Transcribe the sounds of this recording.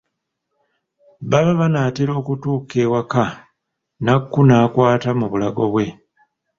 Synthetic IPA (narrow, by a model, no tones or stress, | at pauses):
βaβaβanaːteɾo̞ːkutuːkewaka | nakːunaːkwaːtamuβulaɡo̞βwe̞